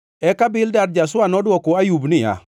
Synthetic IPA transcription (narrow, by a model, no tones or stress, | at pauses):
ɛkabɪldadd͡ʒasʊanɔdwɔkoajubnɪja̰